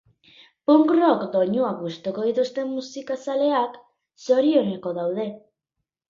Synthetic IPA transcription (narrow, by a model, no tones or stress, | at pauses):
poŋkrokd̪o̞ɲuaɣust̪oko̞ðit̪ust̪e̞mːusikasale̞ak | so̞ɾio̞ne̞ko̞ðawðe̞